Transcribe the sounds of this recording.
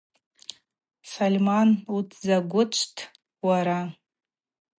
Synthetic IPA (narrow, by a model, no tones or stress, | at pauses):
salʲmanutʰzaɡʷʊt͡ʃʷʰtʰ | waɾa